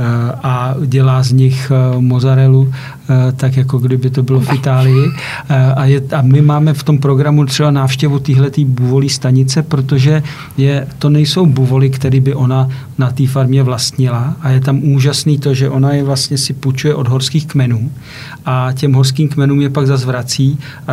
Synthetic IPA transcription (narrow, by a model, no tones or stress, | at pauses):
ʔaɟɛlaːzɲɪxmozaɾɛlu | t̪akjako̞ɡdɪbɪt̪o̞bɪlo̞fʔɪt̪aːlɪjɪ | ajɛamɪmaːmɛft̪o̞mpɾo̞ɡɾamut̪r̥ɛbanaːfʃcɛvut̪iːɦlɛt̪iːbuvo̞liːst̪aɲɪt͡sɛpɾo̞t̪o̞ʒɛ | jɛt̪o̞nɛjso̞wbuvo̞lɪkt̪ɛɾiːbɪʔo̞na | nat̪iːfaɾmɲɛvlast̪ɲɪlaʔajɛt̪amʔuːʒasniːt̪o̞ʒɛʔo̞najɛvlast̪ɲɛsɪput͡ʃujɛʔo̞dɦo̞ɾskiːxkmɛnuː | ʔacɛmɦoɾs̬kiːmkmɛnuːmjɛpaɡzazvɾat͡siː | ʔa